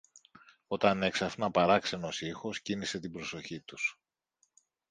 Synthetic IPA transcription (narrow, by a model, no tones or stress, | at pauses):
o̞t̪ɐne̞ksɐfnɐpɐɾɐkse̞no̞sixo̞scinise̞t̪ibɾo̞so̞çit̪us